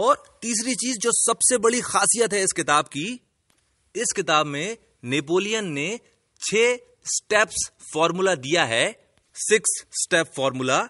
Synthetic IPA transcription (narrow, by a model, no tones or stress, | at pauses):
ɔːɾt̪iːs̬ɾit͡ʃiːzd͡ʒoːsɐbsebɐɽixaːsijət̪ɦɛɪskɪt̪aːbki | ɪskɪt̪aːbmẽ | neːp̬oːlijənːe | t͡ʃʰeː | sʈɛːps | fɔːɾmulad̪ijaɦɛː | sɪksːʈɛːpfɔːɾmula